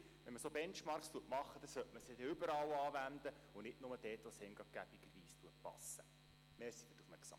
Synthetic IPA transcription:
ʋɛnməsobɛnt͡ʃmɑɾkst̪uətmɑχːəd̥̪ɑsœtməsedɛʏbəɾɑlɑːʋænd̪ə | ʊnɪtnʊməd̥ɛːtʋɔshɛŋɡɑɡ̥æbiɡ̥əɾʋiːst̪uət̚pɑ̰sːə | meːɾsid̥ɪtːufmɛksɑ̰m

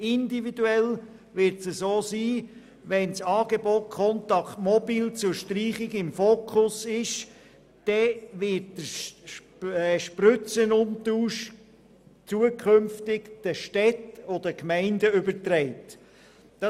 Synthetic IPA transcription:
ɪndividuɛl | ʋɪɾtsəsoːsiː | ʋɛnsɑːɡeboːt̚kʰɔnt̪ɑkʰtmɔbiːlt͡sʊʃtriːχɪɡɪmfoːkʰχʊsɪʃ | d̥ɛʋɪt̚d̥ə | ʃprʏt͡sənʊntuːʃ | t͡suəkʰχʏmftɪkd̥əʃtɛtod̥əkmɛɪndəʏbəɾtɾɛɪtː | ɑ

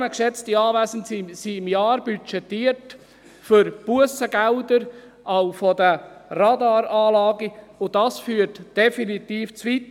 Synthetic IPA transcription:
məkʃɛt͡stiɑːvæzən̩sisiɪmjɑːɾbyt͡ʃɛtːiːəɾt | fʏɾb̥uəsəɡɛldəɾ | ʔaʊfɔdərɑdɑːɾɑːlɑːɡiʊdɑsfyːɾtd̥ɛfinitiːft͡svit

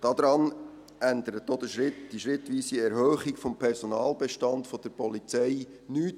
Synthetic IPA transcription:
d̥ɑd̪ɾɑːn | ʔændəɾət̚d̥od̥̪əʃɾɪtd̥iʃʁɪtʋiːsiɛɾhœːχikfɔmpʰɛɾsonɑːlbɛʃtɑndfɔd̥əɾpɔlit͡sɛɪ | nyːt

